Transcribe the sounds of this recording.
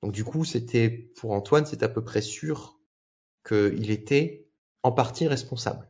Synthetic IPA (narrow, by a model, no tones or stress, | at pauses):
d̪̥ɔ̃k̚d̪ykuset̪ʰɛpʰuʁɑ̃t̪wansɛt̪apøpχɛsyːʁ | kʰəilet̪ɛ | ɑ̃paʁt̪iʁɛspɔ̃sa̰bl